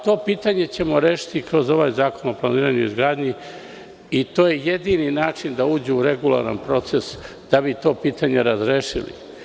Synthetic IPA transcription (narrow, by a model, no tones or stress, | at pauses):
t̪o̞ːpiːt̪aɲe̞t͡ɕe̞mo̞ɾeːʃi̥t̪ikɾo̞zo̞ʋaːjzaːko̞noplˠaniːɾaɲuizɡɾaːd̪ɲi | it̪o̞ːje̞je̞d̪ininaːt͡ʃind̪auːd͡ʑeuɾe̞ɡulˠa̰ɾa̰npɾo̞t̪se̞s | d̪̥abit̪o̞ːpiːt̪aɲe̞ɾazɾeːʃḭlḭ